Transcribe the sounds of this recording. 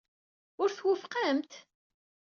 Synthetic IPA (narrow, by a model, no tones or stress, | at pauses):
ʊɾθwəfqamt̪